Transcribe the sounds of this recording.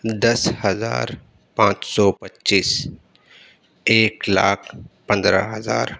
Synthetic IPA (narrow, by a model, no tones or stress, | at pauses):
d̪ɐshəza̰ːɾ | pãːt͡ʃsɔːpətːʃiːs | eːkla̰ːkʰpɐ̃nd̪ɾə̰ɦɐza̰ːɾ